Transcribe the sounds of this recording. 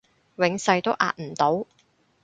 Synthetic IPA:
wɪ˨˥ŋsɐ˧jt̪o˥wʔa̰ː˧t̚m̩˨˩t̪o˨˥w

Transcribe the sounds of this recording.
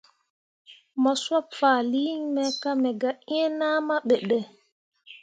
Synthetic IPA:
mɔ˨swɔ˦pfa˨li˦ɲmɛka˦mɛ˨ɡa˨ʔi˦ɛ˦naː˦ma˦ɓɛ˨ɗɛ˨

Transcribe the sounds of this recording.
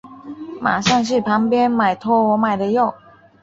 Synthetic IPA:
ma̰˨˩ʂɑ˥˧ŋʂ̬ɻ̩˥˩pʰɑ˧˥ŋpjɛ˥nma˨˩ɪt̪ʰɔ˥˩wɔ˧˥ma˨˩ɪd̪ə˦jo˥˩ʊ

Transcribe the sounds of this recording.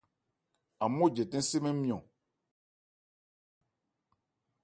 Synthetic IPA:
a˨mõ˦˨d͡ʒɛ˨tɛ̃˦se˦mɛ̃˦mĩ˨ɔ̃˨

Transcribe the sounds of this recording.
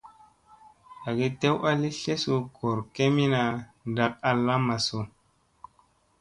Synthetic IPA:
a˨ɡi˦te˦wa˦li˦ɬe˦su˧ko˨ɾke˦mi˦na˧da˨k̚a˨lːa˦ma˨so˨

